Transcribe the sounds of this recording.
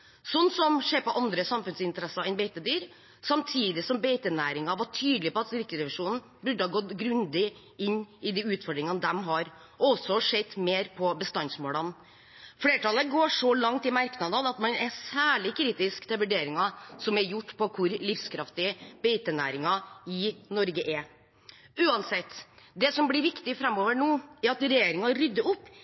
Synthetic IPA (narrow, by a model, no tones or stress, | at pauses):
sɔnːsɔmʂeːpɔʔɑnd̪ɾəsɑmfʉnsɪnt̪əɾɛsɑɛɪnbɛɪt̪əd̪yːɾ | sɑmt̪ʰiːd̪ɪsɔmbeɪt̪ənæːɾɪŋɑʋɑʈʰyːd̪lɪpɔɑt̪sɾɪkəɾɛʋɪʂuːnn̩ | bʉɖəhɑɡɔt̪ɡɾʉnd̪ɪ | ɪnːɪd̪iʉːt̪fɔɖɾɪŋɑnd̪ɛmɦɑɾ | ɔsɔʂɛd̪meːɾpʰɔbəst̪ɑnsmoːlɑn | fleːʈɑləɡoːʂɔlɑŋt̪ɪmæɾknɑd̪ɑd̪ɑt̪mɑnɛsæːɭɪkʰɾiːt̪ɪskt̪ʰɪlʋʉɖeːɾɪŋɑsɔmɛɾjʊʈːpʰɔkʰʊɾlɪfskʰɾɑft̪ɪəb̥ɛɪt̪ənæ̰ːɾɪŋɑɪnɔɾɡəʔɛɾ | ʉːɑnsɛt̪ːd̪ɛsɔmblɪɾʋɪkt̪ɪfɾɛmːoːʋəɳuːɛɾɑt̪ɾɛjeːɾɪŋɑɾʏd̪ːəʊpː